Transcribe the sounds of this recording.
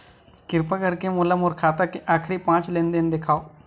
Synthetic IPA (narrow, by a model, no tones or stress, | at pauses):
kɪɾpakəɾkemʊːləmɔːɾkʰaːt̪akeʔaːkʰɾipãːt͡ʃleːnd̪ɪnd̪ekʰaːoː